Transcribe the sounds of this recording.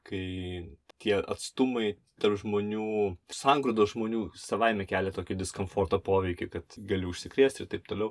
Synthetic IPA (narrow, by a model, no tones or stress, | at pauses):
kɐɪt̪ʲiɛʔɐ̰t̪st̪ʊmɐɪ | t̪ɐrpʒmoːnʲuːsɑŋɡɾod̪oːʒmoːnʲuːsɐʋɐɪmʲɛkʲæːlʲɛt̪oːkʲɪd̪ʲɪskomfoːrt̪opoːʋʲɛɪkʲɛɪkɐt̪ɡɐlʲɪʊʃʲsʲɪkɾʲiɛsʲt̪ɪɾt̪ɐɪp̚t̪oːlʲɛʊ